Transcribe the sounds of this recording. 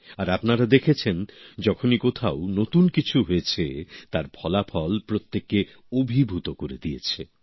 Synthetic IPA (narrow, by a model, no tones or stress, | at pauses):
aɾapnaɾad̪ekʰet͡ɕʰend͡ʑɔkʰonikot̪ʰaonot̪unkit͡ɕʰuɦoet͡ɕʰet̪aɾbʰʱɔlapʰɔlpɾot̪ːeke | obʱibʱut̪okoɾed̪iet͡ɕʰe